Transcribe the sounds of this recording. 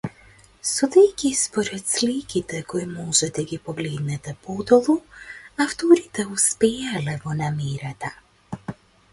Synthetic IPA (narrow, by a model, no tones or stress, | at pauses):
sɔd̪ɛjkʲispɔɾɛt̪slikʲit̪ɛkɔimɔʒɛd̪aɡʲipɔɡlɛd̪nɛt̪ɛpɔd̪ɔlˠuaft̪ɔɾit̪ɛuspɛjalɛvɔnamɛɾat̪a